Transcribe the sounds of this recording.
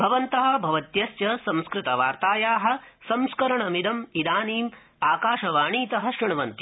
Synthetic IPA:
bʱɐʋɐnt̪ɐɦɐ̆bʱɐʋɐt̪jɐsjɐsɐ̃mskɾɪt̪ɐʋaːɾt̪aːjaːɦɐ̆sɐ̃mskɐɾɐɳɐmid̪ɐmid̪aːniːm | aːkaːʃɐʋaːɳiːt̪ɐɦɐ̆ʃɾɐɳ̃ɐʋɐnt̪i

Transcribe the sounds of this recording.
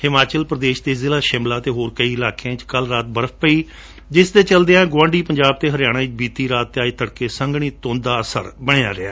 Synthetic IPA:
hɪmaːt͡ʃəlpɾəd̪eːʃd̪eːzɪlaːʃɪmlaːt̪eːɦoːɾkəiːɪlaːkeãːt͡ʃkəlɾaːt̪bəɾəp̚ʰpəiː | d͡ʒɪsd̪eːt͡ʃəld̪eãɡʊʋãːɳɖiːpəɲd͡ʒaːb̚t̪eːɦəɾɪjaːɽ̃ãːɪt͡ʃbiːt̪iːɾaːt̪ːeaːiːt̪ʰəɽkeːsəŋɡɽ̃iːt̪õːnd̪aːəsə̰ɾbəɽ̃ea̰ːɾɪa̰ː

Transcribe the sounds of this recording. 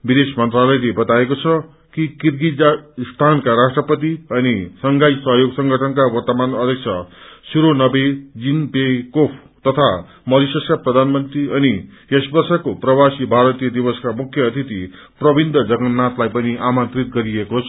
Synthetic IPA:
bid̪esmʌnt̪ralʌjlebʌt̪aekot͡sʰʌ | kikirɡit̪̚d͡zast̪ʰankaɾasʈrʌpʌt̪iʌnisʌŋɡajsʌɦʌjoɡsʌŋɡʱʌʈʰʌnkawʌrt̪ʌmanʌd̪ʱjʌk̚t͡sʰʌsuɾonʌbed͡zinpekopʰ | t̪ʌt̪ʰa | mʌɾisʌskaprʌd̪ʱanmʌnt̪riʌnijesbʌrsakoprʌbasibʱaɾʌt̪ijʌd̪ibʌskamukʰjʌːt̪ʰit̪i | prʌbind̪ʱʌd͡zʌɡʌnːat̪lajpʌniʔamʌnt̪rit̪̚ɡʌɾiekot͡sʰʌ

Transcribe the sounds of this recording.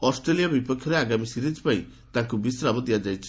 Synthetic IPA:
ɔsʈɾelijabipɔkʰjɔɾeaɡamisiɾid͡ʒpaĩ | t̪ãŋkubisɾabɔd̪ijad͡ʒajt͡ʃʰi̥

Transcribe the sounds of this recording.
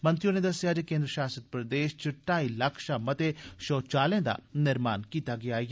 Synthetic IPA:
mɐ̃nt̪ɾijõned̪ɐsjad͡ʒekẽːnd̪ɾəʃaːsət̪̚pɾɐd̪eːʃt͡ʃɪʈːaːilɐkʰʃamɐt̪eʃɔːt͡ʃaːlẽd̪a̰nɪɾma̰ːnkiːt̪aɡɐjaːj

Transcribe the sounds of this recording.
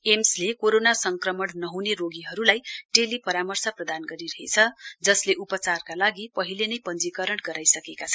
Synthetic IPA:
emslekoɾonasʌŋkrʌmʌɽnʌɦuneroɡiɦʌɾulajʈelipʌɾamʌrsʌprʌd̪anɡʌɾiɾʌɦḛt͡sʰʌd͡zʌsleʔupʌt͡sarkalaɡipʌɦilenʌjpʌnd͡zikʌɾʌɽɡʌɾajsʌkekat͡sʰʌn

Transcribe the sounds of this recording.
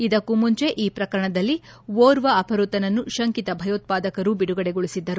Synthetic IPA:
id̪ɐkːumuɲt͡ʃe̞ʔiːpɾɐkɐɾɐɳɐd̪ɐlːi | ʋoːɾʋɐːpʰɐɾut̪ɐnɐnːuʃɐŋkit̪ɐbʱɐjoːt̪̚paːd̪ɐkɐɾubiɽuɡɐɽeɡoɭisid̪ːɐɾu

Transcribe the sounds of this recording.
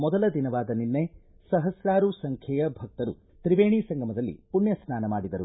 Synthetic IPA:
mɔd̪ɐlɐd̪inɐʋaːd̪ɐninːe | sɐɦɐsɾaːɾusɐŋkʰjɛjɐbʱɐk̚t̪ɐɾṵ | t̪ɾiʋeːɳiːsɐŋɡʱɐmɐd̪ɐlːḭpunjɐsnaːnɐmaːɽid̪ɐɾu

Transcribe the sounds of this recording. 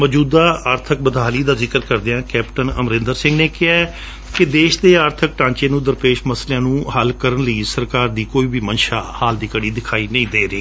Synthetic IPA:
məd͡ʒuːd̪aːəːɾt̪ʰək̚bəd̪ʱaːliːd̪aːzɪkəɾkəɾd̪eːãːkɛːpʈənə̰mɾɪ̃nd̪əɾsɪ̃ŋɡneːkɪaː | kɪd̪eːʃd̪eːaːɾt̪ʰək̚ʈãːɲt͡ʃeːnũːd̪əɾpeːʃməsleãːnũːhəlkəɾənləiːsəɾkaːɾd̪iːkoːiːbʱiːmənʃaːhaːld̪iːkəɽiːd̪ɪkʰaːiːnə̃ĩːd̪eːɾiː

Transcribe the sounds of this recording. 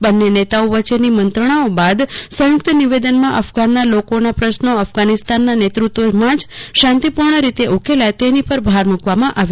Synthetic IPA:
bənːenet̪aoʋət͡ʃenimənt̪ɾəɳ̃aobad̪sə̃jʊkt̪əniʋed̪ənmãʔəfɡanːalokonapɾəʃnoəfɡanist̪anːanet̪ɾut̪ʋomãd͡ʒʃãnt̪ipuɾɳəɾit̪eʔukʰelajt̪enipəɾbʱaɾmukʋamãʔaʋje

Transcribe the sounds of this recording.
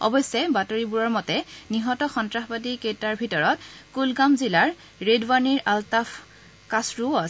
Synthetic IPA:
ɔ̰bɔjsɛbatoɹibuɹɔɹmɔtɛniɦɔtɔxɔntɹaxbadiketaɹbʱitɔɹɔt̚kulɡamzilaɹ | ɹedwaniɹʔaltaf | kasɹuas

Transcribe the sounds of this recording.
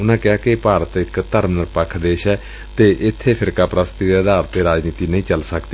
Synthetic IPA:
ʊnãːkɪaːkɪpaːɾət̪ɪkt̪əɾmnəɾpəkʰd̪eːʃɛː | t̪eːʔɪt̪ʰːeːpʰɪɾkaːpɾast̪iːd̪eːəd̪aːɾət̪ːeːɾaːd͡ʒniːt̪iːnəĩːt͡ʃəlsəkd̪iː

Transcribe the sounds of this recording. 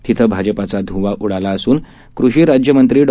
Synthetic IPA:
t̪it̪ʰəbʱad͡ʑəpat͡sad̪ʱũʋaʔuɽalaəsuːn | kɾuɕiːɾad͡ʑjəmənt̪ɾiːɖ

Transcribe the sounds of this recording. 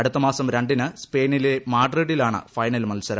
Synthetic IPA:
ɐɽut̪ːɐmaːsɐmɾeɳɖinɨspe̞ːnilemaːʈreɽilaːɳɨ̰fɐjnɐlmɐlsɐɾɐ

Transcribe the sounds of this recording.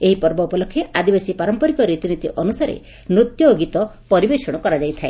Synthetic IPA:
eɦipɔɾbɔupɔlɔkʰːjeʔad̪ibasipaɾɔmpɔɾikɔɾit̪init̪iʔɔnusaɾḛ | mɾut̪jɔɡit̪ɔ | pɔɾibesɔɽ̃ɔkɔɾad͡ʒajt̪ʰae

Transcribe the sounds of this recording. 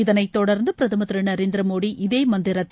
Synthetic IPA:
ɪðɐnɐɪt̪ːɔɽɐɾnd̪ɯpɪɾɐðɯmɐt̪ɾɯnɐɾeːnd̪ɾɐmoːɽiʔɪðeːmɐnd̪ɪɾɐt̪ː

